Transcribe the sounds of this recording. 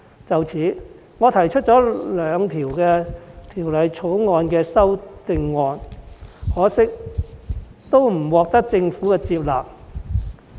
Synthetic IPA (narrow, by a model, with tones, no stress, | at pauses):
t͡sɐ˨wt͡sʰiː˨˥ | ŋɔː˨˧t̪ʰɐ˨˩jt͡ʃʰɵ˥t̚t͡sɔː˨˥lœː˨˧ŋt̪ʰiː˨˩wkɛː˧t̪ʰiː˨˩wlɐ˨jt͡sʰo˨˥wŋɔː˧nkɛː˧sɐ˥wt̪ɪ˧ŋːɔː˧n | hɔː˨˥sɪ˥k̚ | t̪o˥wm̩˨˩wɔː˨k̚t̪ɐ˥k̚t͡sɪ˧ŋfuː˨˥kɛː˧t͡siː˧p̚la̰ː˨p̚